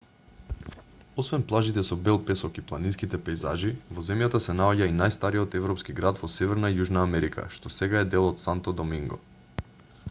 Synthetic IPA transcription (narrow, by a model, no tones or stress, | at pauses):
ɔsvɛnplˠaʒit̪ɛsɔbɛlˠpɛsɔkiplˠaninskit̪ɛpɛjzaʒivɔzɛmjat̪asɛnaoɟainajst̪aɾiɔt̪ɛvɾɔpskiɡɾad̪vɔsɛvɛɾnaijuʒnaːmɛɾikʰa̰ʃt̪ɔsɛɡaɛd̪ɛlˠɔt̪sant̪ɔd̪ɔmiŋɡɔ̰